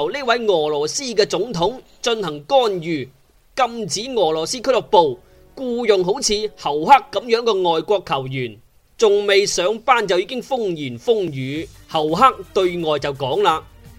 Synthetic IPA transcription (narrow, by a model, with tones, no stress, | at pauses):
wnɪ˥wɐ˨˥jŋɔː˨˩lɔː˨˩siː˥kɛː˧t͡sʊ˨˥ŋt̪ʰʊ˨˥ŋ | t͡ʃɵ˧nhɐ˨˩ŋkɔː˥njyː˨ | kɐ˧mt͡siː˨˥ŋɔː˨˩lɔː˨˩siː˥kʰɵ˥lɔ˨˩k̚po˨w | kuː˧jʊ˨ŋɦo˨˥wt͡sʰiː˨˧hɐ˨˩wha˥k̚ːɐ˨˥mjœː˨˥ŋkɛː˧ŋɔː˨jkʷɔː˧kʰːɐ˨˩wjyː˨˩n | t͡sʊ˨ŋme˨jsœː˨˥ŋpaː˥˩nt͡sɐ˨wjiː˧˥kɪ˥ŋfʊ˥ŋjiː˨˩nfʊ˥ŋjyː˨˥hɐ˨˩wɦaː˥k̚t̪ɵ˧ɥŋɔː˨jt͡sɐ˨wkɔː˨˥ŋlaː˧